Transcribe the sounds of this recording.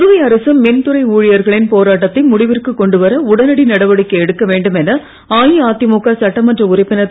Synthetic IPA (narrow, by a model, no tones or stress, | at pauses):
ðɯʋɐɪɐɾɐsɐmːɛnt̪ɯɾɐɪuːɻɪjɐɾɣɐɭɪnpoːɾaːʈ̬ːɐt̪ːɪnmʊɽɪʋɪrkɯkːɔɳɖɯʋɐɾɐʊɽɐnɐɽinɐɽɐʋɐɽɪkːɐɛɽɯkːɐʋeːɳɖɯmɛnɐ | aːjiaːt̪ːɪmuːkːasɐʈːɐmɐndrɐʊɾɐɪpːɪnɐ